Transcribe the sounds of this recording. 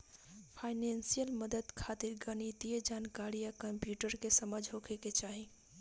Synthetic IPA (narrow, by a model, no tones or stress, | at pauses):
pʰaɪnensijəlməd̪əd̪kʰat̪iɾɡənit̪ied͡ʒankaɾijakəmpjuʈəɾkesəməd͡ʒʱɦokʰeket͡ʃaɦi